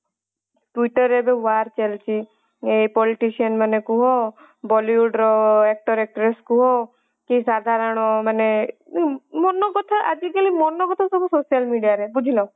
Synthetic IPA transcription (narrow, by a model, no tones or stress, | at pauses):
ʈwiʈɔɾebewaɾt͡ʃelt͡ʃʰi | ejpɔliʈisiɔnmanekuɦɔ | bɔliuɖɾɔek̚ʈɔɾek̚ʈɾeskuɦɔ | kisad̪ʱaɾɔɽ̃ɔmane | mɔnɔɡɔt̪ʰaʔad͡ʒikalimɔnɔkɔt̪ʰɔsɔbusosijalmiɖijaɾebud͡ʒʱilɔ̃